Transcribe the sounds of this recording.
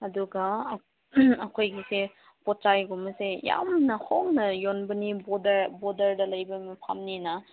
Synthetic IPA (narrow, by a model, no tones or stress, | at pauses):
ɐduɡɐ | ɐkʰojɡise | pɔtt͡ʃajɡumɐseja̰mnɐhoŋnɐjonbɐnibɔdɐbɔdɐɾdɐlɐjbɐmɐpʰa̰mninɐ